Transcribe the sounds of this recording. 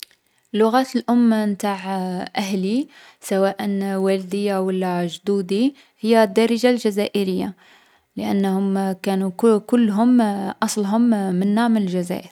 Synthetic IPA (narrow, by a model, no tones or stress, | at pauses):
lːʊɣæt̪əlʔʊmːmt̪aʕʔæhli | sæwæʔənwæld̪əjːawəlːæʒd̪ud̪i | həjːæd̪ːɑɾəʒalʒæzæʔəɾəjːa̰ | ləʔæ̰nːhʊmkænukʊlːɦʊmʔɑsˤlɦʊmːənːaʕmnəlʒæzæ̰ʔəɾ